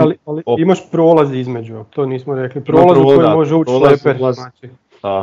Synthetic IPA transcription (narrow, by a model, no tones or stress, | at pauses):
alialiimaʃpɾo̞ːlazizmed͡ʒut̪oniːsmoɾeklipɾolˠazukojimo̞ʒeuːt͡ʃlepeɾnaːt͡ʃi